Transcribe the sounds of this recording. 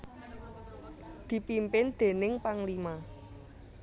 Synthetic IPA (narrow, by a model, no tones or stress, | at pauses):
d̪̥i̤pimpɪnd̪̥e̤nɪŋpaŋlima